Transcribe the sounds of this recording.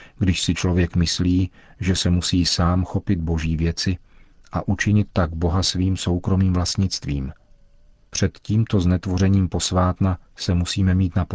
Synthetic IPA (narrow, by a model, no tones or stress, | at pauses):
ɡdɪʃsɪt͡ʃlo̞vjɛkmɪsliː | ʒɛsɛmusiːsaːmxo̞pɪd̪̚bo̞ʒiːvjɛt͡sɪʔaʔut͡ʃɪɲɪt̪ːaɡbo̞ɦasviːmso̞wkɾo̞miːmvlast̪ɲɪt͡st̪viːm | pr̝̥ɛt̪ciːmt̪o̞znɛt̪vo̞rɛɲiːmpo̞svaːt̪nasɛmusiːmɛmiːt̪nap